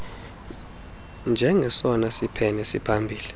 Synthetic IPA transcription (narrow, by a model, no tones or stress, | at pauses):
nd͡ʒʱɛŋɡʱɛsɔnasipʰɛnɛsipʰambʱiːli